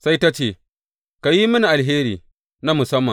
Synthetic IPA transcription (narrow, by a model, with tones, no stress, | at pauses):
sa˦jta˦t͡ʃeː˦˨ | ka˨ji˦mʊ˦ni˨ʔa˨lɦeː˦ɾḭː˨ | na˦mʊ˨sɐ˦mːɐ˨